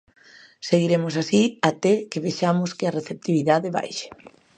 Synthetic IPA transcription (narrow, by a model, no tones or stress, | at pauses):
seɣiɾemʊsasiat̪ɛkeβeʃamʊskɪɐreθep̚t̪iβiðaðɪβa̰jʃe̥